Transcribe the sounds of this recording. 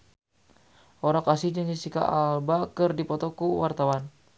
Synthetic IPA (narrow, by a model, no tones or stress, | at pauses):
ʔoɾakasihdəŋisika̰ʔalbakɨrdipɔt̪ɔkuwart̪awan